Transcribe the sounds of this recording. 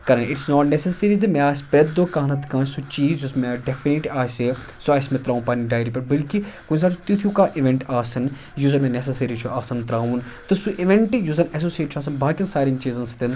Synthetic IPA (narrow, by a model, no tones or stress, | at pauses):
kɐɾɐ̃ɳɪʈsnɔːʈnesɐsəɾizɐmeaːsʲpɾet̪d̪okãːnɐt̪kãːsut͡ʃiːzjusmeɖefiniʈiaːse | suɐsmẽt̪ɾaːʋnpɐniɖaːjɾipɐɾbɐlkikuns̬aːt͡ʃʰt̪it̪ʰjũkãːʔiʋẽɳʈaːsɐn | juzɐmẽnesɐsɐɾit͡ʃʰuʔaːsɐnt̪ɾaːʋunt̪ɨsuʔiʋẽɳʈjuzɐnɐs̬oːsieːʈt͡ʃʰaːs̬ɐnbaːkɐnsaːɾĩŋt͡ʃiːzɐnst̪in